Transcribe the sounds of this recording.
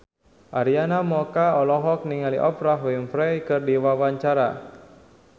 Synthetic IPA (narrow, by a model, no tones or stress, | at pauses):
ʔaɾianamɔkaɔlɔɦɔk̚niŋaliʔɔpɾaɦwimfɾɛjkɨrdiwawaɲt͡ʃaɾa